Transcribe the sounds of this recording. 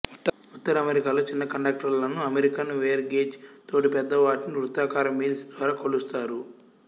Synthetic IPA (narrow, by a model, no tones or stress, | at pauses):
ut̪ːɐɾɐɐmeɾikaːlo̞ːt͡ʃinːɐkɐɳɖaːk̚ʈɐɾlɐnːuɐmeɾikɐnʋejɐɾɡe̞ːd͡ʒt̪o̞ːʈipɛd̪ːɐʋaːʈiniʋɾut̪aːkaːɾɐmiːlsd̪ʋaːɾaːkolust̪aːɾu